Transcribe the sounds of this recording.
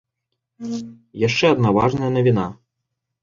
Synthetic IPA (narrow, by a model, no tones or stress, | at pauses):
jaʂt͡ʂɛɐd̪nava̰ʐnɐjɐnɐvʲina